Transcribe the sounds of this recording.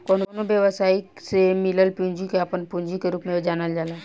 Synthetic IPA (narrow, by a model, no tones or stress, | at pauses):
koːnnobjəʋəsaːisemɪləlpũːɲd͡ʒikeapənpũːɲd͡ʒikeɾuːpmẽid͡ʒaːnəld͡ʒaːlaː